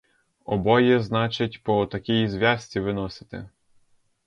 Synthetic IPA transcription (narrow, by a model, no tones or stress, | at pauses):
ɔbɔjɛznɑt͡ʃɪtʲpɔt̪ɐkʲijizʋʲjɑsʲt͡sʲiʋɪnɔsɪ̥t̪ɪ̰